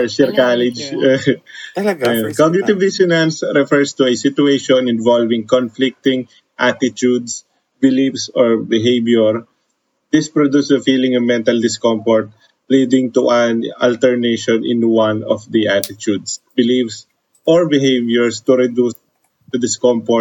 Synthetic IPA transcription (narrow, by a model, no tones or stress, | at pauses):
ɛɹʃɛɹkalɪd͡ʒ | kɔɡ̚nɪt̪ɪvd̪ɪsɪnãnsɾɛfɛɹst̪uɛsɪt̪ʊeʃɔ̃nɪ̃nvalvɪ̃ŋkɔnflɪk̚t̪ɪ̃ŋ | ʔat̪ɪtud̪s | bɪlifsɔɹbɪɦejbjʊɹ | d̪̥ɪspɹɔd̪usd̪ɐfilɪ̃ŋɐmɛ̃nt̪ɐld̪ɪskɔ̃mfɔɹt̪̚ | lid̪ɪ̃ŋt̪uʔɐnɐ̰lt̪ɛɹneʃɔ̃nɪ̰̃nwanɔfd̪iʔat̪ɪt̪ud̪sbɪlifs | ʔɔɹbɪɦevjɛɹst̪uɾɛd̪us | d̪ɐd̪ɪskɔ̃ɱfɔ